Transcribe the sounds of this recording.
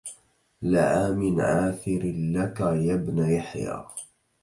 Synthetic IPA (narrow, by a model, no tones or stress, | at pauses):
laʕaːmɪnʕaːθɪɾlakajabnajaħja̰ː